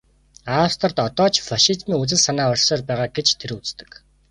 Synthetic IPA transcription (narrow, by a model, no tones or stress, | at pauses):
ast̪ʰə̆rt̪ɔt̪ɔːt͡ɕfaʃit̪miːŋut͡sɘ̆ɮsanaːɔrʲsɔːrpæːʁaːɡet͡ɕt̪ʰeɾut͡st̪ə̥̆k